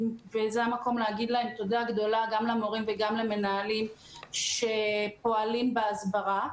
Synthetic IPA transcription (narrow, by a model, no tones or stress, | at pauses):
vezeamako̞mleaɡid̪lae̞mt̪od̪aɡd̪o̞laɡamlemoʁimveɡamlemenaːlim | ʃepo̞alimbeazbaʁa